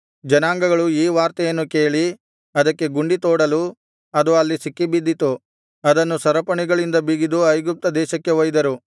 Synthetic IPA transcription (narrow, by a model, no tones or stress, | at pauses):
d͡ʒɐnaːŋɡɐɡɐɭuiːʋaːɾt̪ɐjɐnːuke̞ːɭi | ɐd̪ɐkːe̞ɡuɳɖit̪oːɽɐlu | ɐd̪uɐlːisikːibid̪ːit̪u | ɐd̪ɐnːusɐɾɐpɐɳiɡɐɭind̪ɐbiɡid̪uɐjɡup̚t̪ɐd̪ɛːʃɐkːe̞ʋɐjd̪ɐɾu